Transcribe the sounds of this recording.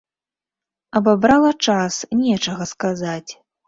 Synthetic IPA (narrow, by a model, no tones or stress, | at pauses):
ɐbabɾalˠɐt͡ʂasnʲɛt͡ʂɐɣɐskazat͡sʲ